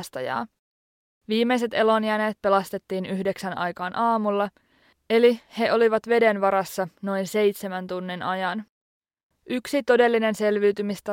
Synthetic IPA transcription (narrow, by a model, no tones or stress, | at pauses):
st̪ɑjɑ̰ː | ʋiːmːejs̬e̞t̪e̞lo̞njæneːt̪̚pe̞lɑst̪e̞t̪ːiːnyɦdeksænʔɑ̰jkɑːnʔɑːmulːɑ | e̞lihe̞ʔo̞liʋɑt̪ʋe̞de̞nʋɑɾɑsːɑno̞jnse̞jt̪semænt̪unːinɑjɑn | ʔyksit̪o̞de̞lːine̞nse̞lʋiːt̪ymist̪æ